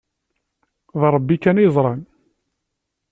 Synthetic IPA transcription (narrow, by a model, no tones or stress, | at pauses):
ðɾˤəbːikænizˤɾˤɑn